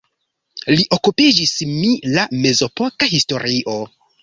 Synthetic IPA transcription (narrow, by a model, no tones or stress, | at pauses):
liʔo̞kupid͡ʒismilame̞zo̞pokaɦisto̞ɾiʔo̞